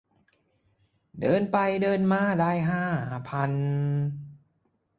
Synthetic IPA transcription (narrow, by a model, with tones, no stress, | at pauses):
dɤː˧npa˧jdɤː˧nmaː˧˥˩daː˧jɦaː˥˩pʰa˧n